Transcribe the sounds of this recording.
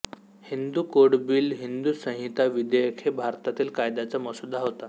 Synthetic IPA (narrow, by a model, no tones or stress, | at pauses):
hind̪uːkoɽbiːlɦind̪usə̃ɦit̪aʋid̪ejəkʰebʱaɾt̪at̪iːlkajd̪at͡saməsud̪ʱːaɦot̪a